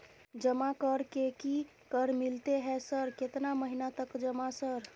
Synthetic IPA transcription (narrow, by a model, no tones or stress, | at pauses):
d͡ʒəmakəɾkeki | kəɾmilt̪eɦɛsəɾket̪naməɦinat̪əkd͡ʒəmasəɾ